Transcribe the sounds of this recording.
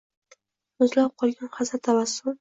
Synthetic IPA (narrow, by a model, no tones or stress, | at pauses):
ʊzlap̚qʰɒlˠɡʲanχazat̪ʰavasːʊl